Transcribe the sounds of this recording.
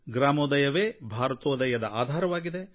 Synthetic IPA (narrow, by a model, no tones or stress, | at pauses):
ɡɾaːmoːd̪ɐjɐʋeːbʱaːɾɐt̪oːd̪ɐjɐd̪ɐʔaːd̪ʱaːɾɐʋaːɡid̪e